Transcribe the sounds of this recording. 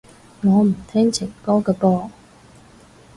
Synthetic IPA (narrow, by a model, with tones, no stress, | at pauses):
ŋɔː˨˧m̩˨˩t̪ʰɛ˥ŋt͡ɕʰi˨˩ŋkɔː˥kə˧pɔː˧˩